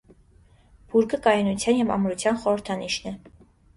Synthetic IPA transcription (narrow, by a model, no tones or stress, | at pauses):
b̥uɾkəkɑjɑnut͡sʰjɑnjɛvɑ̰mɾut͡sʰjɑnχɔɾəɾt̪ʰɑniʃnɛ